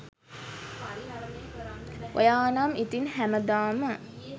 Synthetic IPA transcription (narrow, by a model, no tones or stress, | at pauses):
ʔo̰jaːnamit̪inɦæməd̪aːmə